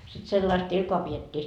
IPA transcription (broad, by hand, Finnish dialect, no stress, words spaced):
sit selːɑist ilkoɑ pietʲːiː